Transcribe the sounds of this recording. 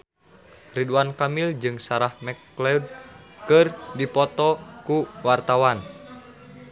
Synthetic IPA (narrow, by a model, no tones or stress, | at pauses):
riduankamild͡ʒɨŋsaɾahmɛklɛud̚kɨrdipɔt̪ɔkuwart̪awan